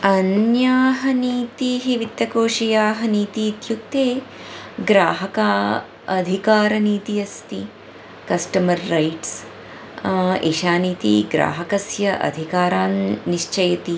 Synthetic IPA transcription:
ɐnjaːɦɐniːt̪iɦiʋit̪ːɐkoːʃijaːɦɐniːt̪iːt̪juk̚t̪eː | ɡɾaːɦɐkaː | ɐd̪ʱikaːɾɐniːt̪ijɐst̪i | kɐsʈɐmɐɾːɐjʈs | ḛːʃaːniːt̪ḭɡɾa̰ːɦɐkɐsjɐʔɐ̰d̪ʱikaːɾaːnːiʃt͡ʃɐjɐt̪i

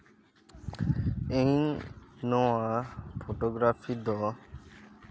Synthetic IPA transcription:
ejnːɔwapʰoʈoɡɾafʰid̪ɔ

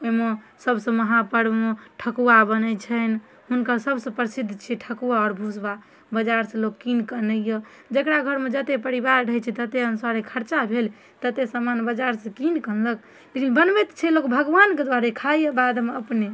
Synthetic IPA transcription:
oime | səbsə̃məɦapəɽmeʈʰəkuabənət͡ʃʰən | ɦunkasəbsə̃pɾəsid̪ʱːt͡ʃʰiʈʰəkuaɔɾbʱusba | bəd͡ʒaɾsə̃lokkinkənəjə | d͡ʒəkɾaɡʱəɾmed͡ʒət̪epəɾibaɾɖʱət͡ʃʰɛt̪ət̪eənusaɾekʰəɾt͡ʃabʱel | t̪ət̪esəmanbəd͡ʒaɾsə̃kinkənlək | lekʰinbənbet̪t͡ʃʰɛlokbʱəɡʋanked̪waɾekʰajjəbad̪ʱmeəpne

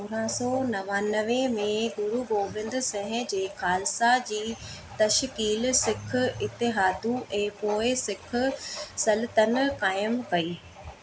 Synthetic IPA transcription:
oːɾãsɔːnɐʋaːnəʋemẽɡʊɾuɡoːbɪ̃nd̪sɛ̃ɦɪ̃̆d͡ʑeːxaːlɪsad͡ʑiːt̪ɐʃkiːlsɪkʰʊɪt̪ɪɦaːd̪uɛ̃ːpoːɪsɪkʰʊ̆sɐlɪt̪ənkaːɪmkɐiː

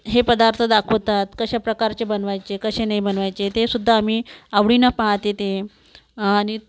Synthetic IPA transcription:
ɦepəd̪aɾt̪ʰəd̪akʰot̪at̪kəɕapɾəkaɾt͡ɕebənʋajt͡sekəɕenaibənʋajt͡ɕet̪esud̪ʱːaːmiːaʋɽinapaɦat̪et̪e | ani

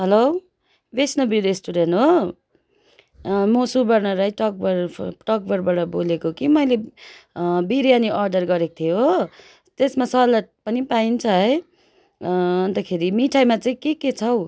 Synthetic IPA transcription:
ɦʌlow | besnʌbiɾesʈuɽenʈɦo | mosubʌrnʌɾajʈʌk̚bʌɾʈʌk̚bʌɾbʌɽʌbolekokimʌjle | biɾjaniʔʌrɖʌrɡʌɾekt̪ʰio | t̪esmasʌlaʈpʌnipaint͡sʰʌɦʌj | ʌnt̪akʰeɾimiʈʰajmat͡saĩkeket͡sʰʌw

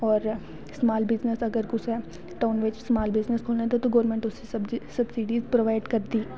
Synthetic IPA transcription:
ɔːɾ | smaːlbɪznəsɐɡəɾkʊsɛ | ʈaːnʋet͡ʃsmaːlbɪznəskʰoːlnet̪at̪oɡɔːɾmẽɳʈʊsebsɐbsiɖiːzpɾoʋaːɪɖkɐɾd̪iː

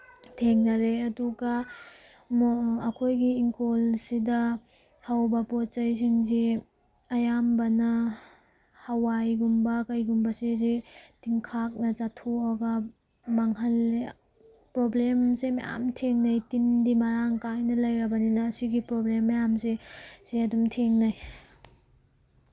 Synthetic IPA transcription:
tʰeŋnɐɾeɐduɡɐ | mɐkʰojɡiːŋkolsidɐ | hawbɐpɔt͡ʃɐjs̬iŋzi | ɐjambɐnɐ | hɐwajɡumbɐkɐjɡumbɐsezitiŋkʰak̚nɐt͡ʃatʰuɐɡɐ | maŋhɐlːi | pɾoblemsema̰ja̰mtʰeŋnɐjtindimaɾaŋkajnɐlɐjɾɐbɐninɐːsiɡipɾoblemːɐjamseseɐdumtʰeŋnaj

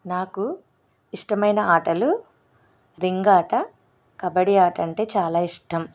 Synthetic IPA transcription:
naːku | iʂʈɐmɐjnɐaːʈɐlu | ɾiŋɡaːʈɐ | kɐbɐɽiaːʈɐɳʈe̞ːt͡ʃaːlaːiʂʈɐm

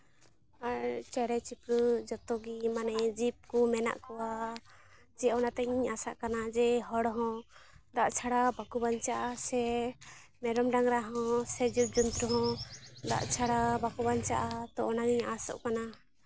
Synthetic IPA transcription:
aɾt͡ʃɛɾɛt͡ʃipɾud͡ʒɔt̪ɔɡimanɛd͡ʒip̚kɔmɛna̰ʔkɔwa | d͡ʒɛɔnat̪ɛɲiɲasa̰ʔkanad͡ʒɛɦɔɽɦɔ̃d̪aʔt͡ʃʰaɽabakubaɲt͡ʃaʔasɛ | mɛɾɔmɖaŋɾaɦɔ̃sɛd͡ʒip̚d͡ʒunt̪ɾuɦɔ̃d̪a̰ʔt͡ʃʰaɽabakubaɲt͡ʃaʔat̪ɔʔɔnaɡiɲasɔ̰ʔkana

